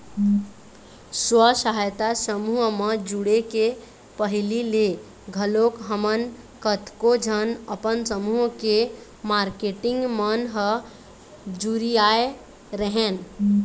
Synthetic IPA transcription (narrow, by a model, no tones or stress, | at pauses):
swəsəɦajt̪asəmuɦməd͡ʒuɽeke | pəɦilile | ɡʱəlokɦəmən | kət̪kod͡ʒʱənəpənsəmuɦke | maɾkeʈiŋɡmənɦə | d͡ʒuɾiae | ɾəɦen